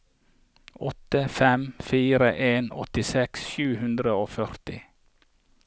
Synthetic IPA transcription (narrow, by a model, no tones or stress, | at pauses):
ɔt̪əfɛmfiːɾəʔeːnɔ̰t̪ɪsɛksʃʉːhʉnd̪ɾəoːfœɾt̪ɪ̰